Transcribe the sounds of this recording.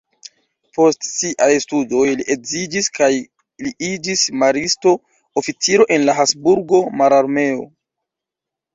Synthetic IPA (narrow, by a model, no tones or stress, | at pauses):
po̞stsiʔajstudo̞jliʔe̞kzid͡ʒiskaj | liid͡ʒismaɾisto̞ | ofit͡siɾo̞ʔenlaɦasbuɾɡo̞maɾaɾme̞o̰